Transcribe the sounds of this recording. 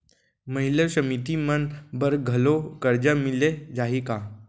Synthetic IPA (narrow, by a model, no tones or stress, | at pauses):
məɦiləsəmit̪imənbəɾɡʱəlokəɾd͡ʑəmiled͡ʒaɦika